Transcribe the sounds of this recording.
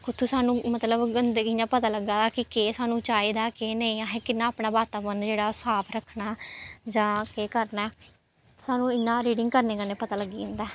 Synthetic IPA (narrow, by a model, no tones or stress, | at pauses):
kʊt̪ʰːuːsaːnũːmət̪ləbɡənd̪eːkɪnãːpət̪aːləɡːaːd̪aːkɪkeːsaːnũːt͡ʃaːiːd̪aːkeːnəĩːaːɦeːkɪnːaːaːpnaːbaːt̪aːbənd͡ʒeːɽaːsaːpʰɾəkʰnaːd͡ʒãːkeːkəɾnaː | saːnũːɪnːãːɾiːɖɪŋɡkəɾneːɡənːeːpət̪aːləɡiːʊ̃ːnd̪aː